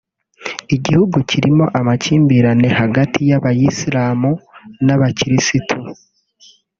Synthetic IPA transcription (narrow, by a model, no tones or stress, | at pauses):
iɟihuɡuciɾimo̞ʔamaciːmbiːɾane̞haɡatʰijaβajisiɾaːmunaβaciɾisitʰu